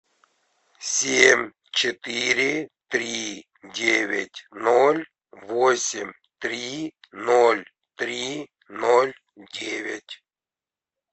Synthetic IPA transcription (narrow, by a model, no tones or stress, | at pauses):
sʲemʲ | t͡ɕɪt̪ɨɾʲɪt̪ɾʲi | dʲevʲɪ̰tʲnolʲ | vosʲɪmʲ | t̪ɾʲinolʲ | t̪ɾʲi | nolʲ | dʲevʲɪ̰tʲ